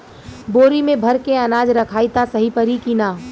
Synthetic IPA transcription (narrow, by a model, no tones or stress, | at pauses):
boːɾimẽbʱɐɾkeɐnaːd͡ʒɾɐkʰaːit̪asɐɦipəɾikinaː